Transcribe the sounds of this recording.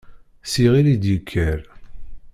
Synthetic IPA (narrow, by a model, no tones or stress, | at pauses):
siʁilid̪jəkʰːæɾ